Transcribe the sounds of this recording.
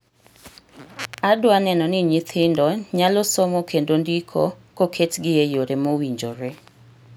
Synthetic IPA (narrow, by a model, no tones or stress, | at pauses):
adwanɛnɔnɪɲit̪ʰɪndɔɲalɔsɔmɔkʰendondikʰo̰kokʰetɡɪjejoɾemowiɲd͡ʒoɾe